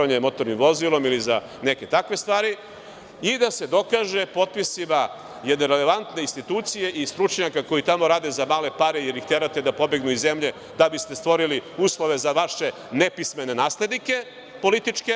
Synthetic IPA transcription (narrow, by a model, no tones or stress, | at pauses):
aɲemo̞t̪o̞ɾnimʋo̞zilˠo̞miliza | ne̞ke̞t̪akʋe̞st̪ʋaːɾi | id̪ase̞d̪o̞kaʒe̞po̞t̪̚pisima | jed̪neɾele̞ʋant̪ne̞inst̪it̪uːt̪sije̞ʔist̪ɾut͡ʃɲakako̞it̪amo̞ɾaːd̪ezamaːle̞paɾejeɾixt̪elat̪e̞d̪apo̞beɡnuizemʎe̞ | d̪abist̪est̪ʋo̞ɾiliuːslˠo̞ʋe̞zaʋaʃe̞ | ne̞pisme̞ne̞naːsled̪nike̞ | po̞lit̪it͡ʃke